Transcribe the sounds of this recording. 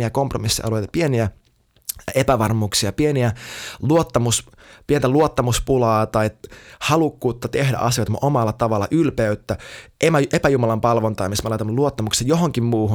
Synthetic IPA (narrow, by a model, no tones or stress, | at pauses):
iækompromisːḭʔɑ̰luojt̪ɑ̥pieniæ | epæʋɑrmuːksiɑpieniæluot̪ːɑmus | pient̪æluot̪ːɑmuspulɑːt̪ɑihɑlukːuːt̪ːɑt̪ehdæ̰ʔɑsiot̪ɑmuʔomɑlːɑt̪ɑʋɑlːɑ̰ʔylpeyt̪ːæʔemæʔepæjumɑlɑmpɑlʋont̪ɑimismɑlɑˑjt̪ɑnːɑluot̪ːɑmuksejjoɦoŋkimmuːɦu